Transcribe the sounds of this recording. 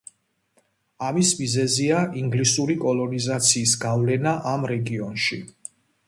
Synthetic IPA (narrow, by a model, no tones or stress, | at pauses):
amismizɛziaʔiŋɡlisuɾikʼɔlˠɔnizat̪sʰiːsɡavlɛnaʔamɾɛɡiɔnʃi